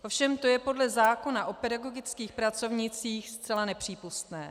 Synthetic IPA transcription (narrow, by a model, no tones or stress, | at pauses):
ʔo̞fʃɛmt̪o̞jɛpo̞dlɛzaːko̞naʔo̞pɛdaɡo̞ɡɪt͡skiːxpɾat͡so̞vɲɪt͡siːxst̪t͡sɛlanɛpr̝̥iːpust̪nɛː